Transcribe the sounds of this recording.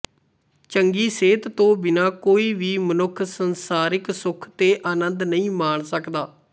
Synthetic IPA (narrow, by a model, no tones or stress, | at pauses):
t͡ʃəŋɡiːseːt̪t̪õːbɪnaːkoːiːʋiːmənʊkʰsənsaːɾɪksʊkʰt̪eːʔaːnənd̪nəĩːmaːɳsəkd̪aː